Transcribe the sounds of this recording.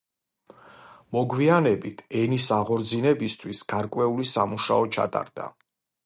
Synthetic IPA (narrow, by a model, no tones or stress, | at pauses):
mɔɡwianɛbit̪ʰɛnisaʁɔɾd̪zinɛbist̪ʰwisɡ̥aɾkʼwɛulisamuʃaɔt͡ʃʰa̰t̪ʼa̰ɾd̪a̰